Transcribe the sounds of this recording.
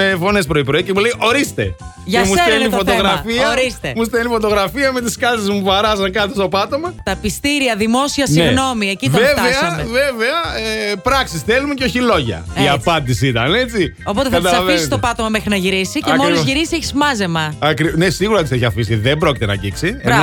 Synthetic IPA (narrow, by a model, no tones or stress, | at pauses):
me̞fo̞ne̞spɾo̞ipɾo̞icemuleiʔo̞ɾist̪e̞̰ | ʝɐemusenifo̞t̪oɣɾɐfiɐɾist̪emus̬t̪enifo̞t̪o̞ɣɾɐfiɐmet̪iskɐzezmuɐɾɐzɐŋkɐt̪ost̪o̞pɐt̪o̞mɐt̪ɐpist̪iɾiɐðimo̞siɐsineɣno̞miecitvevtɐesɐeveve̞ɐpɾɐksisθelumeceo̞çilo̞ʝɐ̰iɐpɐnd̪isiit̪ɐne̞t͡si | o̞pot̪ekɐt̪ɐlsvisnist̪o̞pɐt̪omɐmexɾinɐʝiɾisicemolizʝiɾisieçizmɐze̞mɐɐkɾinesiɣuɾɐt̪iseçiɐfisiðebɾo̞cit̪enɐ̰ɟiksien